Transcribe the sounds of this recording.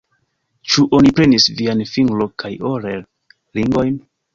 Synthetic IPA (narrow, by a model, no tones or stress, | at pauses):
t͡ʃuʔonipɾe̞nisvianfiŋɡlokʰajoɾeɾ | ɾiŋɡojn